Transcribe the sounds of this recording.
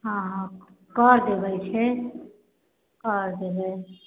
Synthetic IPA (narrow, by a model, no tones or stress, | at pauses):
ɦãɦ | kəɾd̪ebɛt͡ʃʰɛ | kəɾd̪ebɛ